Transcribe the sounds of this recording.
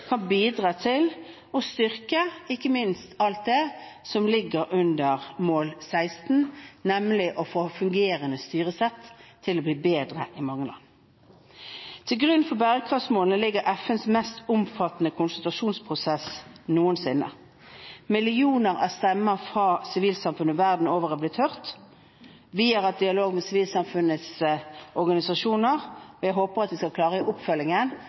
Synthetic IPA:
kʰɑnbiːd̪ʁɑːt̪ʰɪl | ɔst̪ʏʁkəɪkːəmɪnst̪ɑlt̪̚d̪ɛsɔmlɪɡəɾʉnd̪əʁmoːlsæɪst̪n̩nɛmlɪʔɔfoːfʉŋɡeːʁənəst̪yːʁəsɛt̪ʰːɪlɔbliːbeːd̪ʁə̰ʔɪmɑŋːəlɑ̰nː | t̪ʰɪlɡʁʉnfɔbæːʁəkʰʁɑfsmoːlnəlɪɡːəɾʔɛfənsmɛst̪ʊmfɑt̪ənəkʰʊnsʉt̪ɾɑʂuːnspʰʁʊsɛsnuːənsɪnːə̰ | mɪlɪuːnəʁæst̪ɛmːəfʁɑːsɪʋiːlsɑmfʉnəʋæʁd̪n̩oːʋəʁəblɪːt̪ʰœʁt̪ | ʋiːɑɑt̪̚d̪ɪɑloːɡmɛːsɪʋiːlsɑmfʉnəsɔʁɡɑnɪsɑʂuːnəʁɔjæɪɦoːpəʁɑt̪ʋɪskɑlkʰlɑːʁəiʔʊpfœlɪŋən

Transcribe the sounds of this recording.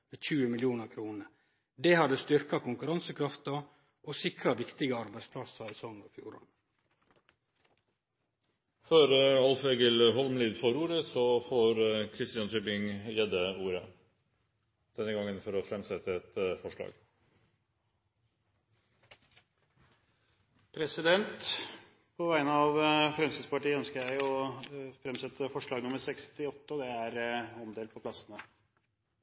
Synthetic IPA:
meːçʉːəmɪljuːnəkʰɾuːnə | d̪eːhɑd̪əst̪ʏɾkɑkʊŋkʉɾɑnsəkʰɾɑft̪ɑ | ʔoːsɪkɾɑʋɪkt̪ɪɡəɑɾbæɪspʰlɑsɑɛsɔŋɔfjṵːɾɑ̰n | føːɾɑlfeːɡəlɦɔlmliːd̪fɔɾuːɾəsɔfoːɾkʰɾɪst̪ɪɑnt̪ʰyːbɪŋjɛd̪əuːɾə | d̪̥ɛnːəɡɑŋːənfɔɾɔfɾɛmsɛt̪ːəɛt̪fɔʂɭɑ̰ːɡ | pʰɾɛsɪd̪ɛnt̪ | pʰɔʋæɪnəɑʋfɾɛmsɪd̪spɑʈiːəœnskəɾjæɪɔfɾɛmsɛt̪ːəfɔʂɭɑːɡnʊmːəɾsɛkst̪ɪɔt̪ːəd̪ɛæɾɑmd̪eːlpʰɔpʰlɑsənə

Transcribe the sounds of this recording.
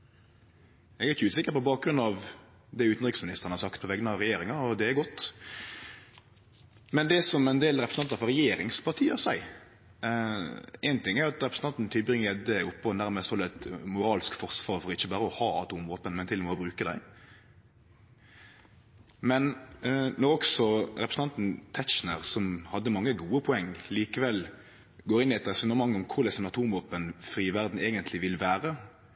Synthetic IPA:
ɛɡæɪçəʉːsɪkːəɾpɔbɑːk̚ɡɾʉnɑʋ | d̪ɛʉːt̪n̩ɾɪksmɪnɪst̪əʁənhɑʁsɑkt̪̚pʰɔʋɛɡnɑɾɛjeːɾɪŋɑɔd̪ɛæɾɡɔt̪ː | mɛnd̪ɛsɔmɛnd̪eːlɾɛpɾəsɑnt̪əɾfɔɾɛjeːɾɪŋspʰɑʁt̪ʰiːəsæɪ | ɛɪnt̪ɪŋːæɾɑt̪ɾɛpɾsn̩t̪ɑnt̪n̩t̪ʰɪlbʁɪŋːəɛd̪ɛʊpːɔnæɾməst̪fɔlɛt̪mʊɾɑːlskfɔʁsʋɑːʁfɔɾɪçːəbɑːɾəɔhɑːɑ̰t̪uːmʋoːpənmɛnt̪ɪlɔmɛɔbɾʉːkəd̪æɪ | mɛnnɔʁɔksɔɾɛpɾəsn̩ɑnt̪n̩t̪ʰæt̪t͡ʃnəʁsɔmhɑd̪ːəmɑŋːəɡuːəpʰʊɛŋːliːkəʋɛl | ɡoːɾɪnːɪɛt̪ɾɛsʉnəmɑŋːɔmkʰʊɾd̪ɛsɛnɑt̪ʰuːmʋoːpənfɾiːʋæʁd̪n̩eːɡənt̪lɪʋɪlʋæːɾə

